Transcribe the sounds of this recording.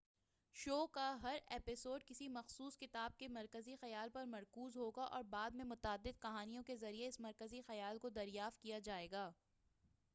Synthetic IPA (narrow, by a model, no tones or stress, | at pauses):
ʃoːkaɦɐɾeːpɪsoːɖ̚kɪsimɐxsuːskɪt̪aːb̚kemɐɾkəzixɐjaːlpɐɾmɐɾkuːzɦoːɡaʔɔ̰ːɾbaːd̪mẽmʊt̪aːd̪ːɪd̪̚kɐɦaːnijõkezɐɾieɪsmɐɾkəzixɐjaːlkod̪ɐɾjaːft̪̚kijad͡ʒaːeːɡaː